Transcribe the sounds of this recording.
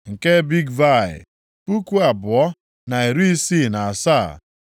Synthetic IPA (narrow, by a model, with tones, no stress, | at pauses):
ŋ̩˨ke˦bi˦ɡva˦˨ɪ̰˨ | pu˦ku˦a˨bʊ˨ɔ˦ | na˨e˨ɾu˦i˦si˦˨na˨a˨sa˦˨